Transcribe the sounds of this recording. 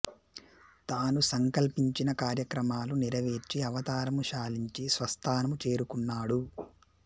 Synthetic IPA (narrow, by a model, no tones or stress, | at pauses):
t̪aːnusɐŋkɐlpiɲt͡ʃinɐkaːɾjɐkɾɐmaːluniɾɐʋeːɾt͡ʃiɐʋɐt̪aːɾɐmuʃaːliɲt͡ʃisʋɐst̪ʰaːnɐmut͡ʃe̞ːɾukunːaːɽu